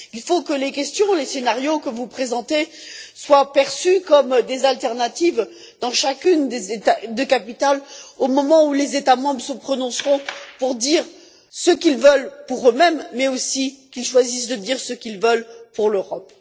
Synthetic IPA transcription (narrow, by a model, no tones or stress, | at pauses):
ilfokəlekʲɛst̪jɔ̃lesenaʁjokəvupχezɑ̃t̪eswapɛʁsykɔmd̪ezalt̪ɛʁnat̪iv | d̪ɑ̃ʃakʲynd̪ezet̪ad̪əkapit̪alomɔmɑ̃ulezet̪amɑ̃bʁəsəpχɔnɔ̃sʁɔ̃puʁd̪iʁ | səkilvəlpuʁømɛmːɛosikʲilʃwazisd̪əd̪iʁsəkʲilvəlpuʁløʁɔp